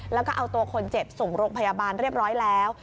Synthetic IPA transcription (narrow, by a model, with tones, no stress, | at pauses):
lɛː˦˥wkɔː˥˩ʔa˧wt̪u˧ɐkʰo˧nt͡ɕe˨˩p̚so˨˩ŋɾoː˧ŋpʰa˧jaː˧baː˧nɾi˥˩əp̚ɾɔː˦˥jlɛː˦˥w